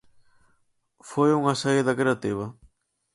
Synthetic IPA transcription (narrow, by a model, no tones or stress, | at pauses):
fojuŋasaeðɐkɾeat̪iβɐ